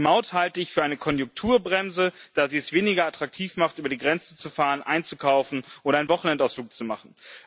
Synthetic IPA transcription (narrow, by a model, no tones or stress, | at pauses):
maʊthaltəɪçfyːɐaɪnəkʰɔnjʊŋk̚tʰuːɐbʁɛmzəd̥aːziːɛsv̥eːnɪɡɐatʁ̥ak̚tʰiːfmaχtʔyːbɐdiːɡʁɛnt͡sn̩t͡sufaːʁənʔa̰ɪnt͡sukʰaʊfn̩ʔoːɾɐaɪnvɔχn̩ɛntaʊsfl̥uːk̚t͡sumaχn̩